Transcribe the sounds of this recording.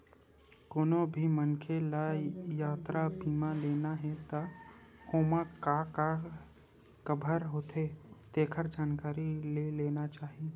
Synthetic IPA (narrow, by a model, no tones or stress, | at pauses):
koːnobʱimənkʰelajaːt̪ɾabiːmaleːnaɦɛt̪ahoːmakaka | kəbʱəɾɦoːt̪et̪eːkʰəɾd͡ʒaːnkaːɾileleːnat͡ʃaːɦie